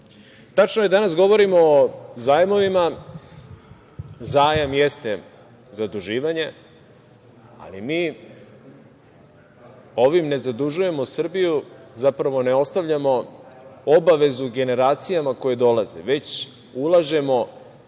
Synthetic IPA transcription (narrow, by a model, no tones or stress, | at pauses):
t̪at͡ʃnojed̪anas̬ɡo̞ʋo̞ɾimoːzaːjmo̞ʋima | zaːjamjest̪e̞ | zad̪uʒiːʋaɲe̞ | a̰limiː | o̞ʋimne̞zad̪uʒuje̞mosr̩bijuzapɾaʋo̞ne̞o̞st̪aʋʎamo̞ | obaʋe̞zuɡe̞ne̞ɾaːt̪sijamako̞je̞d̪o̞lazḛʋe̞t͡ɕ | ulaʒe̞mo̞